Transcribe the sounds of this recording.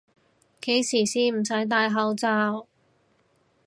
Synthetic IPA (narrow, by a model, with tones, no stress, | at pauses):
ke˨˥˧jsiː˨˩siː˨m̩˨˩sɐ˨˥jt̪̬aː˧jɦɐ˨˥wt͡saː˧w